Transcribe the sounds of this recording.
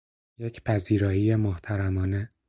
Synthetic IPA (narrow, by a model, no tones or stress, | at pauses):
jecʰpʰæziːɾɒːjijemoht̪ʰæɾæmɒːne